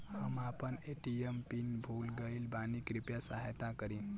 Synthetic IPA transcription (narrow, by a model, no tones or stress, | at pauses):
həmapəneʈiempinbʱulɡəilbanikɾipjasaɦajt̪akəɾĩ